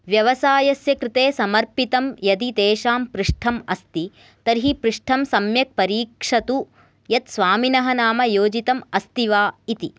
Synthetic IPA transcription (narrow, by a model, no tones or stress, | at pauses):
ʋjɐʋɐsaːjɐsjɐkɾɪt̪eːsɐmɐɾpit̪ɐmjɐd̪id̪eːʃaːmpɾiʂʈʰɐmɐst̪i | t̪ɐɾɦipɾuʂʈʰɐmsɐmjɐk̚pɐɾiːkʂɐt̪u | jɐt̪sʋaːminɐɦɐnaːmɐjoːd͡ʒit̪ɐmɐst̪iʋaːit̪i